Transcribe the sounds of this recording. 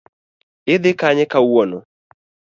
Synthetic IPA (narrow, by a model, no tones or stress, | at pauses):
ɪd̪ɪkaɲɛkawono̰